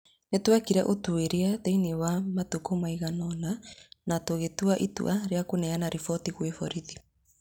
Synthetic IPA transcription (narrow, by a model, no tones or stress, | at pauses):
netwakiɾɛ̰ʔotueɾeateinewamatokomaiɣanɔnanatoɣetuaʔitṵʔaɾeakonɛanaɾifɔtiɣwefɔɾiði